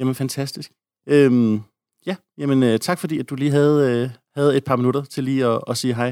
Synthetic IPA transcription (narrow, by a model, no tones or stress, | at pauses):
jæmənfænt͡sʰæsd̥isɡ̥ | øm | jæ | jæmənøt͡sʰɑ̈ɡ̥fɒ̽dḭːæd̥uliːɦæð̞̩ˠøhæð̩ˠe̝d̥̚pʰɑ̈minuɾɐt͡sʰe̝liːɒ̽ɒsiːɦɑ̈ɪ